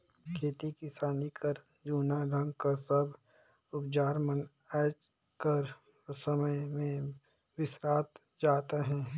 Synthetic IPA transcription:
kʰeːt̪ikɪsaːnikʰɐɾ | d͡ʒuːnaɖə̃ŋɡkasəb | ʊpd͡ʒaːɾmən | ɛːt͡ʃ | kəɾ | səməjmẽ | ʋɪsɾaːt̪ | d͡ʒaːt̪eɦɛ̃ː

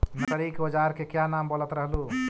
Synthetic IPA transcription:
nəkəɾikbəd͡ʒaɾkekjanambolət̪ɾəɦlu

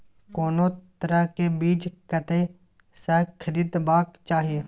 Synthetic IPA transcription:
koːnoːt̪əɾəkebiːt͡ʃkət̪e | sɛːkʰəɾiːd̪baːkt͡ʃaːɦije

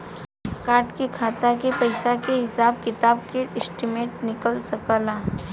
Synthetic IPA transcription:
kaːɾʈkekʰaːt̪akepɐɪsakeɦɪsaːb̚kɪt̪aːb̚keɪsʈɪmeːʈnɪkəlsɐkəlaː

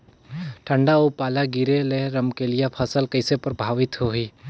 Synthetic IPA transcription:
ʈʰə̃ɳɖaupaːlaɡiɾeleɾəmkelɪjapʰəsəlkəɪsepəɾbʱaːʋɪt̪ɦoɦiː

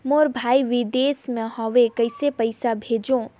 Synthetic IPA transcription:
moɾbʱaːiʋɪd̪eːsmẽɦɔːʋekɐɪsepəɪsabʱeːd͡ʒõ

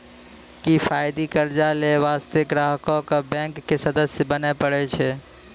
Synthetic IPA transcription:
kipʰajd̪ikəɾd͡ʒaleʋast̪ekɾaɦkɔkəbɛ̃ŋkːesəd̪əsjbənɛpəɽɛt͡ʃʰɛ

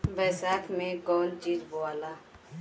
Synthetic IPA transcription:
bɛːsaːkʰmẽɡɔːld͡ʒiɾboaːlaː

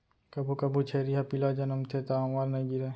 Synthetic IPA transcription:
kɐbʱukɐbʱut͡ʃʰeːɾiɦapɪlad͡ʒɐnəmt̪ʰet̪aaʋaːɾnɐɦĩɡiɾeː

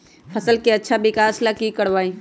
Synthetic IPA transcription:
fʰɐsəlkeɐtːʃʰabɪkaːslakikəɽʋaːĩ

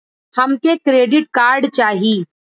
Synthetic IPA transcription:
hɐmkekɾeːɖɪʈ̚kaːɾɖt͡ʃaːɦiː

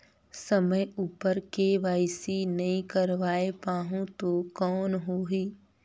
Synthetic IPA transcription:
sɐməjuːpəɾkeʋaːɪsinɐɦĩkəɾʋaːepaːɦũt̪okɔːnɦoːɦiː

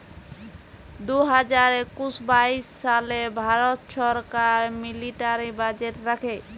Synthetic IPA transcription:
d̪uɦad͡ʑaɾekuʃbaiʃːalebʱaɾot̪ʃɔɾkaɾmiliʈaɾibad͡ʑeʈɾakʰe

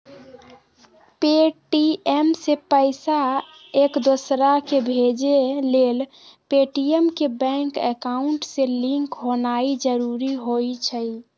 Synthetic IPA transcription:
peʈiemsepəɪsa | ekd̪osɾakebʱed͡ʒelel | peʈiemkebɛ̃ŋkekaʊɳʈselĩŋkɦonaid͡ʒəɾuɾiɦojt͡ʃʰəi

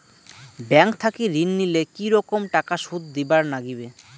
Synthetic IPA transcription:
bɛŋk̚t̪ʰakiɾinːilekiɾɔkomʈakaʃud̪d̪ibaɾnaɡibe

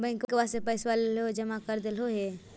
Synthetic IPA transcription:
bəɪ̃ŋkkwasepəɪswalelɦod͡ʒəmakəɾd̪elɦoɦe

